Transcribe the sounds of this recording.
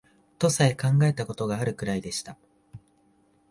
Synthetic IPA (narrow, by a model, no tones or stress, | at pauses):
t̪o̞saekãŋɡae̞t̪ako̞t̪o̞ɡaːɾɯ̟kɯ̟ɾaid̪e̞ɕi̥t̪a